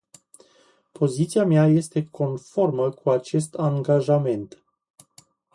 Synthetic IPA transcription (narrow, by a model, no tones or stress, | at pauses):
po̞zit̪siamjaje̞st̪e̞kʰo̞nfo̞rməkʰuat͡ʃe̞st̪aŋɡaʒame̞nt̪